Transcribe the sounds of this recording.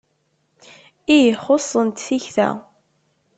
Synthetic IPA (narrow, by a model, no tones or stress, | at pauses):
ijχosˤːənt̪θiçθæ̰